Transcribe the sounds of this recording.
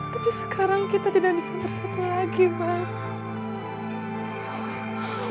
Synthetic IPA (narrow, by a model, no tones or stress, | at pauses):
t̪apisə̥kʰaɾaŋkit̪at̪idakbisab̪ərsat̪ulaɡiba